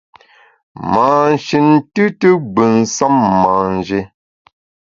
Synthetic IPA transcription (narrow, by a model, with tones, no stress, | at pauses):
maː˨n̩˨ʃi˨n˦tɨ˦tɨ˦ɡ͡bə˨n̩˨sa˦mːa˨n̩˨d͡ʒe˦